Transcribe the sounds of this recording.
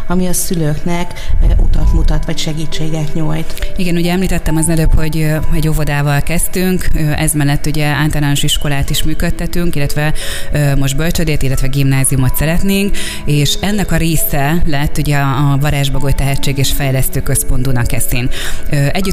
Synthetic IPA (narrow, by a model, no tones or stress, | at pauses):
ɒmiɒsyløːknɛkʔot̪ɒt̪mut̪ɒt̪ʋɒcʃɛɡiːt͡ʃːeːɡɛt̪ɲojt̪iɡɛnuɟɛɛmliːt̪ɛt̪ːɛmɒznɛløːpho̞ɟøɛɟo̞vo̞d̪aːvɒlkɛst̪yŋkøʔɛzmɛlːɛt̪ːuɟɛaːlt̪ɒɾlaːnoʃiʃko̞laːt̪iʃmyːkøt̪ːɛt̪yŋkilːɛt̪ʋɛøːmo̞ʒd̪̚bølt͡ʃød̪eːt̪ilːɛt̪ʋɛɡimnaːziumo̞t̪sɛɾɛt̪neːŋk | eːʃɛnːɛkɒɾeːsɛlɛt̪ːuɟɛɒːvɒɾaːʒbɒɡo̞jt̪ɛɦɛt͡ʃːeːɡeːʃfɛjlɛst̪øːkø̞spo̞nd̪unɒkːɛsiːnøʔɛɟːy